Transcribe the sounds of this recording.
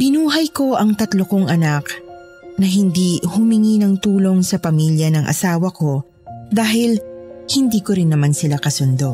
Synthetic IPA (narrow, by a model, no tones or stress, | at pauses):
b̥ɪnuːɦɐjko̞ʔɐŋt̪ɐt̪lokoŋɐnak | nɐɦɪnd̪ihʊmɪŋinɐŋt̪uːlo̞ŋsɐpɐmiljɐnɐŋʔɐ̰saːwɐko̞ | d̪aːɦɪlhɪnd̪iːkoɾɪnːɐmansɪlakɐsʊnd̪o̞